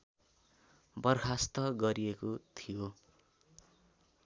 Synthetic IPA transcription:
bʌrkʰast̪ʌɡʌɾijekot̪ʰijo

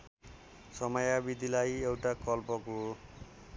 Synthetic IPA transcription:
sʌmʌjabid̪ʱilajewʈakʌlpʌko

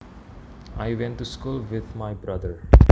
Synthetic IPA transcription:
aɪʋɛ̃nʈːuskuːlʋɪd̪maɪbɾʌd̪əɾ

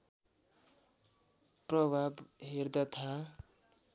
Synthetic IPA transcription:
prʌbʱabɦerd̪at̪ʰa

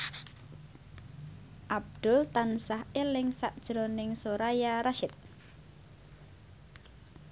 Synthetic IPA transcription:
ʔab̚d̪̥ʊlt̪ansahelɪŋsaʔd̥ʒ̥ɾonɪŋsoɾajaɾaʃɪt̪̚

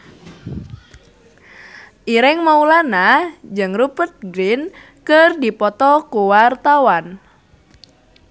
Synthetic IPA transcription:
ʔiɾɪŋmaulanad͡ʒɨŋrupət̪̚ɡɾin | kərdipɔt̪ɔkuwart̪awan

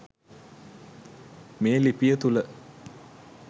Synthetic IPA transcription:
meːlipijət̪ulə

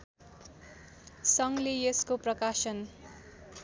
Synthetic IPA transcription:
sʌŋleeskoprʌkasʌn

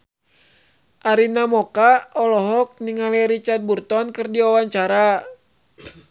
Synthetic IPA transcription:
ʔaɾinamɔkaɔlɔɦɔk̚niŋalɛɾit͡ʃart̪̚burt̪ɔnkɨrdiɔwaɲt͡ʃaɾa

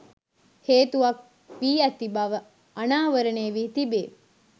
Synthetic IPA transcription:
heːt̪uʋɐk̚ | ʋiːɐt̪ːibaʋə | ɐnaːʋəɾɐneːʋit̪ibeː

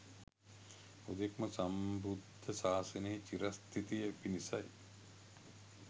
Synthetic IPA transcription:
od̪ekmɐsɐmbud̪ʱːɐsaːsɐnet͡ʃiɾɐst̪ʰit̪ijɐpinisɐj

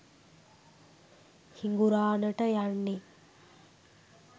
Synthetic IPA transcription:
hiŋɡuɾaːnəʈəjaɳːi

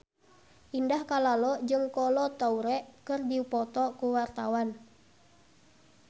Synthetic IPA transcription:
ʔindahkalalɔd͡ʒɨŋkɔlɔt̪auɾɛʔkɨrdipɔt̪ɔkuwart̪awan

